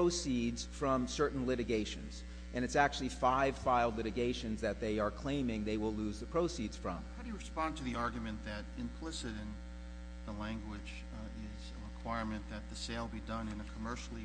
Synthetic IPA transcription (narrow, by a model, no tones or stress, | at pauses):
oʊsidz̥fɹʌ̃msɜ˞ʔn̩lɪɾɨɡeɪʃɨ̰̃nz̥ | ʔɨ̃ñɨtsæk̚t͡ʃʉl̩ˠifaɪv̥faɪlˠdˡlɪɾɨɡeɪʃɨ̃nzðɨt̪̚ðeɪə˞kʰl̥ẽɪ̃mɪ̃ŋðeɪwɪlˠluzðɨpʰɹ̥oʊsidz̥fɹʌ̰̃mhaʊɾɨjɨɹɨspɑ̃ntʰɨðiɑɹɡjmɨ̃nðɨɾɪ̃mpʰl̥ɪsɨɾɨ̃n | ðəlæ̃ŋɡwɪd͡ʒ | ɪzəɹɨkʰw̥aɪɹmɨ̃nðɨt̪̚ðɨseɪlˠbidʌ̃nɨ̃nɨkʰəmɜ˞ʃl̩ˠi